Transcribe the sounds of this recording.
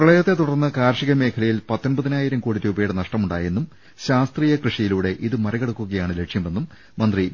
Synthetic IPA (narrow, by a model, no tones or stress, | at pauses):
prɐɭɐjɐt̪ːe̞t̪uɽɐrnːɐkaːɾʂiɣɐme̞ːkʰɐlɐjilpɐt̪ːonbɐðinaːjiɾɐmkuːɽiɾuːbɐjuɽenɐʂʈɐmuɳɖaːje̞nːum | ɕaːst̪riːjɐkrɨʂijiluːɽe̞ʔiðɨmɐɾɐɣeɽukːuɣɐjaːɳɨle̞kʂjɐme̞nːumː | ɐnd̪ri